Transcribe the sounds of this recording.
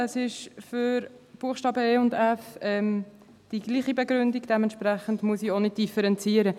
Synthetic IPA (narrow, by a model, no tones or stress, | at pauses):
əsɪʃfʏɾb̥uəχʃtɑːbəeːʊndɛfɛm | d̥iɡ̥liːχibɛɡɾʏndiɡd̥ɛmɛntʃpɾɛχəndmuəsionɪd̥ifɛɾɛnt͡siːəɾə